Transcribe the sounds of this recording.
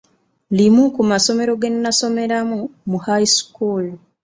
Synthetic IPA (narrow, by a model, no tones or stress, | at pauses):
limukumaso̞me̞ɾo̞ɡenːaso̞me̞ɾamumuhajskul